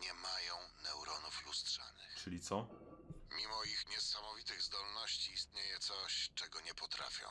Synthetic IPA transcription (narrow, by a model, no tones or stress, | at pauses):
ɲɛmajɔ̃w̃nɛwɾɔnuflust̪ʂa̰nɘxt͡ʂɘlʲit̪sɔ | mʲimɔixɲɛsamɔvʲit̪ɘɣzd̪ɔlnɔɕt͡ɕiːst̪ɲejɛt̪sɔɕt͡ʂɛɡɔɲɛpɔt̪ɾa̰fʲjɔ̰̃